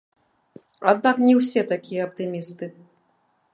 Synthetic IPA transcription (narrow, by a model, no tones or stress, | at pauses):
ad̪̚naknʲɛwsʲɛt̪akʲijɐɐp̚t̪ɨmʲist̪ɨ